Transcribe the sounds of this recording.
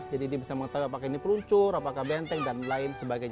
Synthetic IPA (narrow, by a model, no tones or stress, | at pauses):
d͡ʒadidiabisaməŋət̪aɦuapakainipəluɲt͡ʃʊrapakabɛnt̪ɛŋ̚danlaɪnsəbaɡaj